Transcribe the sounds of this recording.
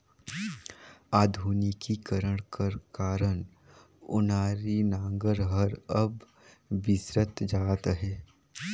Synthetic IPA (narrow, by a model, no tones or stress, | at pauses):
aːd̪ʱuːnikikəɾəɽ̃kɐɾkaːɾəɳ | ʊ̰naːɾinãːŋɡəɾɦəɾɐb | ʋɪsɾət̪d͡ʒaːt̪ɦɛː